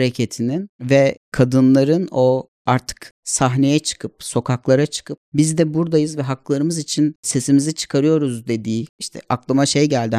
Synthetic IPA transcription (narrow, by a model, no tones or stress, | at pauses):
ɾecʰet̪ʰininvɛkʰad̪ɯnlˠaɾɯno̞ | aɾt̪ʰɯ̥ksaɦne̞jɛt͡ʃʰɯ̥kʰɯp̚so̞kʰaklˠaɾat͡ʃʰɯ̥kʰɯp̚bizd̪ɛbuɾd̪ajɯzvɛɦakɯlˠaɾɯmɯzit͡ʃʰinse̞simizit͡ʃʰɯ̥kʰaɾɯjo̞ɾuzd̪e̞d̪iːiʃt̪ʰɛ̰ʔaklˠamaʃe̞jɟælʲd̪i